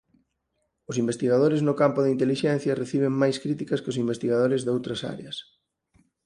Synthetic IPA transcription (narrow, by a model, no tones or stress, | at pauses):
ʊsimbest̪iɣaðoɾɪznʊkampʊðint̪eliʃɛn̟θjɐreθiβ̞ɪŋmajskɾit̪ikɐskɪʊsimbest̪iɣað̞oɾɪzðowt̪ɾɐsa̰ɾḛɐs